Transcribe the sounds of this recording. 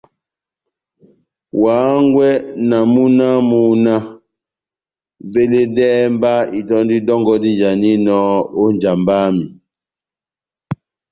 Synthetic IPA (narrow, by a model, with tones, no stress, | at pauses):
waː˨˦ŋɡwɛ˦na˨mu˦na˦muu˨na˦ | ve˦le˦dɛː˦mba˦i˨tɔ˦ndi˦dɔ˦ŋɡɔ˦di˦d͡ʒa˨ni˦nɔ˦o˦ɲd͡ʒa˨mbaː˦mi˨